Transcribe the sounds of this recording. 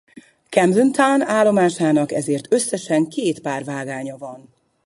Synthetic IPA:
kɛmzynt̪ʰanaːlːo̞maːʃaːnɒkɛzeːrt̪ʰø̞sːɛʃɛŋkeːt̪paːrvaːɡaːɲɒvɒn

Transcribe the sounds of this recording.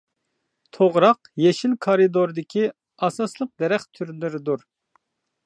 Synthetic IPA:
t̪ʰoʁɾɑqjeʃilkʰɑɾɨd̪oɾd̪ɪkʲʰi | ɑsɑslˠəq̚d̪ɛɾɛχt̪ʰyɾlɪɾɪd̪uɾ

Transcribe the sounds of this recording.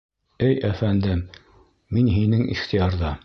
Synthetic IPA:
ɘjæfænd̪ɘm | minɦinɘŋʔḭχt̪ijɑɾðɑ

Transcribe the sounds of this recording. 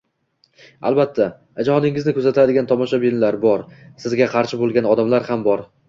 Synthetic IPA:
a̰lˠbat̪ʰːa | d͡ʒahɒnɪŋɪznɪkʰɵzat̪ʰɪɾad̪ɪɡʲant̪ʰɒmɒʃabɪnlaɾbɒɾsɪzɡʲaqʰɑɾʃɪbolˠɡʲanɒd̪amlaɾhambɒɾ

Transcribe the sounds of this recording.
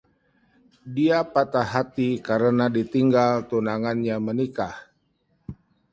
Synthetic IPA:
diapat̪aɦat̪ikaɾənadit̪iŋɡalt̪unaŋanɲamənikah

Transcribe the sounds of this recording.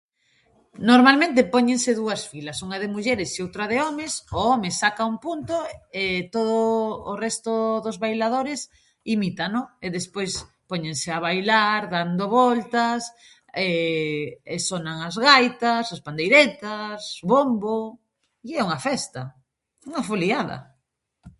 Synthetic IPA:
noɾmalmẽnt̪ɪpɔɲeŋsɪðuɐsfilɐsuŋaðɪmuʎɛɾɪsiowt̪ɾɐðeɔmɪsoɔmɪsakaumpunt̪oet̪oðʊːrɛst̪ʊðʊzβajlaðoɾɪs | imit̪anoeðespojs | poɲeŋseaβajlaɾðand̪oβɔlt̪as | ɛ | esonaŋazɣajt̪ɐsaspand̪ejɾet̪asβombo | iɛuŋɐfɛst̪ɐ | uŋɐfoliaðɐ̰

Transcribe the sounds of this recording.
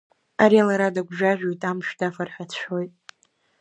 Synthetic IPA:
aɾialaɾadaɡʷʒᶣaʒᶣojtʼamʃᶣdafarħʷᶣat͡ɕʷʰojtʼ

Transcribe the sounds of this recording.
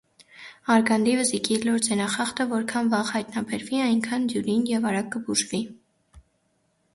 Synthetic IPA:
ɑɾɡɑnd̪ivəzikilɔɾd͡zɛnɑχɑχt̪əvɔɾkʰɑnvɑʁhɑjt̪nɑbɛɾviɑjŋkʰɑnd̪juɾinjɛvɑɾɑk̚kəbuʒvi

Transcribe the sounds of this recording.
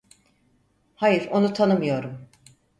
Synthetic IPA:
hajiɾo̞nut̪ʰanɯmɯjo̞ɾum

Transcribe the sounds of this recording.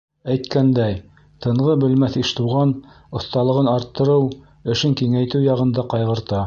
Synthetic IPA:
æjt̪kænd̪æj | t̪ɤ̆ɴʁɤbɘ̆lmæθiʃt̪uʁɑn | ŏθt̪ɑlˠɤ̆ʁɤnɑɾt̪ːɤ̆ɾɤw | ɘ̆ʃɘŋkiŋæjt̪ɘwjɑʁɤ̆nd̪ɑqɑjʁɤ̆ɾt̪ɑ

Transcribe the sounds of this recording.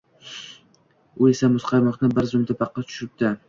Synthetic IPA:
ʊe̞samʊsqʰɑjmɒχnɪbɪɾzʊmt̪ʰapʰɑqːɑt̪t̪ʰʊ̥ʃɾɪp̚t̪ɪ

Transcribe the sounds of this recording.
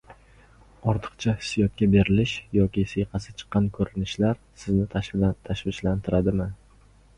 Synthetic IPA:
ɒɾt̪ʰɨ̥qt͡ʃʰahɪsːijɒt̪̚kʲabe̞ɾɪlɪʃjɒkʲisejqʰɑsɪ̥t͡ʃʰɨ̥qːɑnkʰɵɾɪnɪʃlaɾ | sɪznɪt̪ʰat̪ʰaʃvɪʃlant̪ʰɪɾad̪ɪmɪ

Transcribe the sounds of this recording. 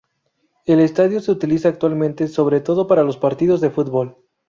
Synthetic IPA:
e̞le̞st̪aðjo̞seut̪ilisaːk̚t̪walmẽnt̪e̞so̞βɾe̞t̪o̞ð̞o̞paɾalo̞spaɾt̪iðo̞zðe̞fut̪bol

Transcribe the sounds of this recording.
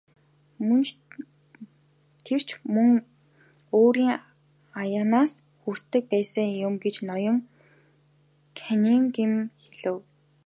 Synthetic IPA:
mɵnt͡ɕ | t̪ʰer̥t͡ɕʰmɵŋ | oːɾiːŋ | ajaːnaːs | xur̥t̪ːɘ̆k̚pæːsə̆ŋjʊmɡet͡ɕnɔjɞ̆ŋ | kʰænʲiːŋɡemxeɮɘ̆w

